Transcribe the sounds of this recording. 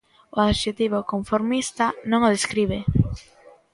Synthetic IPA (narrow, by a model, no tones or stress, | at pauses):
oaðʃet̪iβ̞okoɱfoɾmist̪anõŋoðeskɾiβe